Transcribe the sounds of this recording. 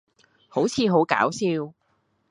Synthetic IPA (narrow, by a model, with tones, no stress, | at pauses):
ho˨˥wt͡sʰiː˨˧ɦo˨˥wka̰ː˨˥wsiː˧w